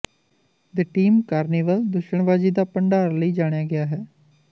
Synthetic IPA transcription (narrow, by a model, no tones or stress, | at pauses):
d̪əʈiːmkaːɾneːʋəld̪ʊʃəɳʋaːziːd̪aːpəɳɖaːɾləiːd͡ʒaːɽ̃jaːɡɪaːɦɛː